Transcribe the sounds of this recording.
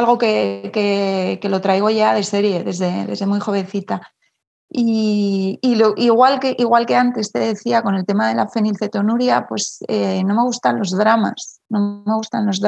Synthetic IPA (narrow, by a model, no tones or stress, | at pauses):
alɣo̞ke̞ke̞ke̞lo̞t̪ɾajɣ̞o̞ʝað̞e̞se̞ɾje̞ðe̞zðeðe̞zðe̞mujxo̞β̞e̞n̟θit̪a | iː | loʔiɣwalkeʔiɣ̞walke̞ant̪e̞st̪e̞ðe̞θiako̞ne̞lt̪e̞maðe̞lafe̞nilθe̞t̪o̞nuɾjapwe̞seno̞me̞ɣ̞ust̪anlo̞zðɾama̰sno̞me̞ɣ̞ust̪anlo̞zð